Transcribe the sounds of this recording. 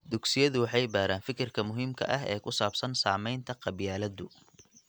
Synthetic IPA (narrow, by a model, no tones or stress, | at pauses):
d̪ʊɡsɪjɐðʊwɑħɑjbaːɾaːnfɪkʰɪrkʰɐmʊɦiːmkʰɐ̰ʔɐɦɛ̰ːkʰʊsaːbsɐnsaːmɛjnt̪ʰɐqɑβjaːlɐd̪ʊ